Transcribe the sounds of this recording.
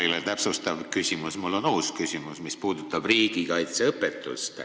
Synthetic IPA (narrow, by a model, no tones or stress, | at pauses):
ilet̪æpsust̪ɑvkysʲimusmulːo̞nuːskysʲimusmispuːd̪̥ut̪ːˑɑb̥riːɡ̥ikɑjt̪seɤpːˑet̪ːˑṵst̪